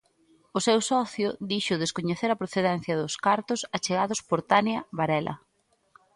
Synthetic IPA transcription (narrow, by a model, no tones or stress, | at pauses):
ʊsɛwsɔθjʊd̪iʃʊðeskoɲeθeɾɐpɾoθeðɛn̟θjɐðʊskaɾt̪ʊsɐt͡ʃeɣaðʊspoɾt̪anjɐβaɾɛlʔɐ̰